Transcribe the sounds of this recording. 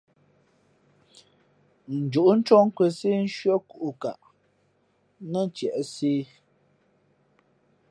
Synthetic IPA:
n̩˨d͡ʒu˨ʔu˦n̩˦t͡ʃɔ˦ŋ̩˦kwə˨se˦n̩˦ʃɥə˦ku˦ʔu˨ka̰˨ʔ | nə˦˨n˨˦t͡ʃjɛ˨ʔseː˦

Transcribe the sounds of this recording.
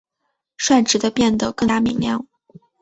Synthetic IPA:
ʂwa˥˩nʈ͡ʂɻ̩˨˧˥d̪ə˧pjɛ˥˩nd̪ə˩kɤ˥˧a˥˧˩mi˨˩˥ŋljɑ˥˧ʊ

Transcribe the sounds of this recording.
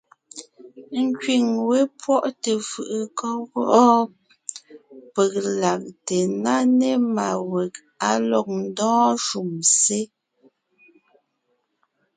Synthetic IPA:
ŋ̩˦kɥi˨ŋwe˦pwɔ˦ʔte˨fɯ˨ʔɯ˨kɔ˦ɣɔ˦ʔɔ˦ | pə˨k̚la˨k̚te˨na˦ne˦ma˨we˨k̚ | a˦lɔ˨k̚n̩˦dɔ̃ː˦ʃu˨mse˦

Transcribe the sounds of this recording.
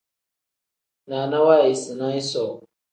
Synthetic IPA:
na˨na˦wa˦˨i˨sɨ˨nã˦i˦sɔ˨

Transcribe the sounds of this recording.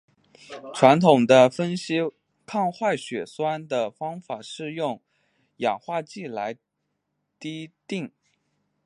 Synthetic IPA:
ʈ͡ʂʰwa˧˥nt̪ʰʊ˨˩ŋd̪ə˦fə˥nɕi˥ | kʰɑ˥˧ŋxwa˥˩ɪɕɥɛ˨˩swa˥nd̪ə˨fɑ˥ŋfa˨˩ʂɻ̩˥˧jʊ˥˩ŋ | jɑ˨˩ŋxwa˥˧t͡ɕi˥˩la˧˥ɪ | t̪i˥t̪i˥˩ŋ

